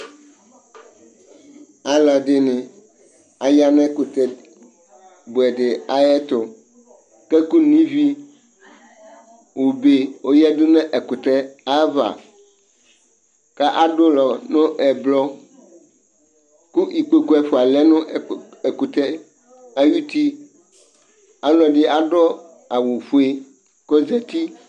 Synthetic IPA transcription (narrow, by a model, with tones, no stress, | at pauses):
a˨la˨dɪ˦nɪ̃˨ | a˨ja˦nɛ̃˦ku˨t̪ɛ˨ | bo˨ɛ˨ɖɪ˨a˦jɛ˦t̪o˨ | kɛ˦ku˦nĩ˦vi˦ | wo˨be˦wo˦jɛ˦d̪ʊ˦nɛ̃˦ʔɛ˨ku˨t̪ɛ˦a˦va̰˨ | kɛ˦ʔa˦ɖo˦lɔ˨nʊ̃˦ʔɛ˨blɔ˦ | ku˦ʔi˨k͡po˦ko˦ɛ˨ɸo˨a˨lɛ˦nʊ̃˦˨e˨ku˨t̪ɛ˦ | a˦ju˦t̪i˦ | a˦lɔ˨ɖi˦a˦ɖɔ˦ | a˨wo˨ɸu˦e˦ | kɔ˦zɛ˨t̪i˦